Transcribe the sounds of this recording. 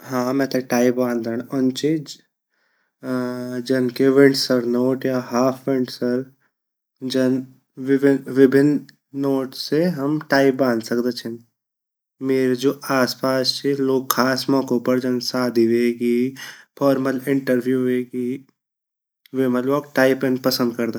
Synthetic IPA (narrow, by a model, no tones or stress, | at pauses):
ɦãːmɛ̃ːt̪eʈaːɪp̚bãːnd̪ʱaːɽ̃ʊnt͡ʃʰi | d͡ʒɐnkeʋɪ̃ɳɖsəɾnoːʈjaɦaːpʰʋɪ̃ɳʈsɐɾ | d͡ʒɐn | ʋɪʋɪbʱɪnː | oːʈseɦɐmʈaːɪp̚bãːnd̪sɐkd̪et͡ʃʰɛn | meːɾed͡ʒoːʔaːspaːst͡ʃʰiloːɡ̚kʰaːsmɔ̃ːkõpɐɾd͡ʒɐnsaːd̪ʱiʋeːɡipʰɔːɾməlɪ̃ɳʈəɾbʱjuːʋeɡi | ʋeməlok̚ʈaːɪpẽnpɐsə̃nd̪̚kɐɾd̪a